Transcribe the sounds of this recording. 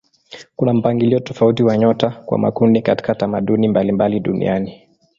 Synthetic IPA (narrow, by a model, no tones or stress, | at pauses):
kunam̩paŋɡiliɔtɔfautiwaɲɔtakwa̰ma̰kundikati̥katamaɗunimbalimbaliɗunḭʔani